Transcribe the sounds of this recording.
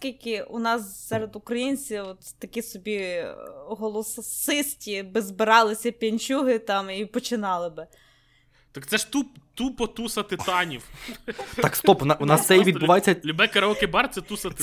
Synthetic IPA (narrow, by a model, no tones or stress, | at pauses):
sʲkʲilʲkɪunɑssɛɾed̪ʊkɾɐjinʲt͡sʲiwɔt̪t̪ɐkʲisɔbʲi | ɦɔlˠɔsɪsʲtʲibɪzbɪɾɑlˠɪsʲɐpʲjɐnʲt͡ʃʲuɦɪt̪ɑmipɔt͡ʃɪnɑlˠɪbɪ | t̪ɑkt̪sɛʃt̪upt̪upɔt̪usɐt̪ɪt̪ɑnʲiwt̪ɑkst̪ɔpʊnɑunɑst̪ɛjʋʲid̪bʊʋɑjet͡sʲːɐlʲʊbɛkɐɾɐɔkɪbɑrt̪sɛt̪usɐt̪ɪ